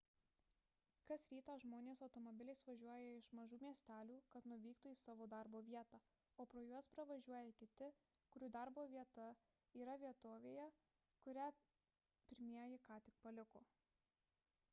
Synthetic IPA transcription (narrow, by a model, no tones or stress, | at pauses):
kɐsɾʲiːt̪ɑːʒmoːnʲeːsɒʊt̪ɔmɔbʲɪlʲɛɪsʋɐʒʲuɔjɛɪʃmɐʒuːmʲiɛsʲt̪ʲæːlʲuːkɐt̪nʊʋʲiːkt̪uːiːsɑːʋoːd̪ɐɾboːʋʲiɛt̪ɑː | oːpɾoːjuɔspɾɐʋɐʒʲuɔjɛkʲɪt̪ʲɪ | kʊɾʲuːd̪ɐɾboːʋʲiɛt̪ɐ | iːɾɐʋʲiɛt̪oːʋʲeːjɛ | kʊɾʲæ | pʲɪɾʲmʲiɛjɪkɑːt̪ʲɪk̚pɐlʲɪkoː